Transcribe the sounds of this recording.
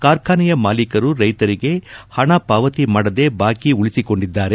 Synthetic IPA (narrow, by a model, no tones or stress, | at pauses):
kaːɾkʰaːnijɐmaːlikɐɾuɾɐjt̪ɐɾiɡe̞hɐɳɐpaːʋɐt̪imɐɽɐd̪e̞baːkiuɭisiko̞ɳɖid̪ːaːɾe